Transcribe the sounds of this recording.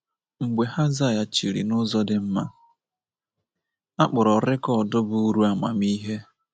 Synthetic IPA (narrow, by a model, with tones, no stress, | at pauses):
ŋ͡m̩˨ɡ͡be˨ha˦za˦˨ja˨t͡ʃi˨ɾḭ˨nʊ˦zɔ˦dɪ˨m̩˦ma˦ | a˦k͡pʊ˨ɾɔ˨ɾɪ˦kɔ˦˨dʊ˦bʊ˦u˦ɾu˦a˨ma̰˨mi˦ɦe˦